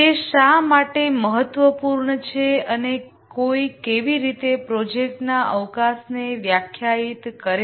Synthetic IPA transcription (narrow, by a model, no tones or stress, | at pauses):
eʃamaʈeməɦət̪ːʋəpuɾɳət͡ʃʰeəne | koikeʋiɾit̪epɾɔd͡ʒek̚ʈnaʔəʋkasneʋjakʰjait̪kəɾe